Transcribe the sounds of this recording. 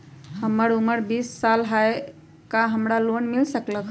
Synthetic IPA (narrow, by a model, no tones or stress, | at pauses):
həməɾuməɾbisːalɦae | kaɦəmɾalonmilsəkləkʰ